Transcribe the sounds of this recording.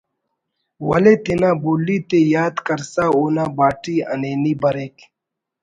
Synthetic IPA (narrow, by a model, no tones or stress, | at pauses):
wɐlet̪inaːbuːlːit̪ejaːd̪kɐɾsaːoːnaːbaːʈiɐ̰neːniːbɐɾeːk